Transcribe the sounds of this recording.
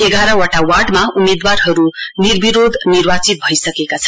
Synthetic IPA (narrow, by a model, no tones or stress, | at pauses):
eɡaɾʌwʌʈawaɖmaumed̪warɦʌɾunirbiɾod̪ʱnirbat͡sit̪̚bʱʌjsʌkekat͡sʰʌ̥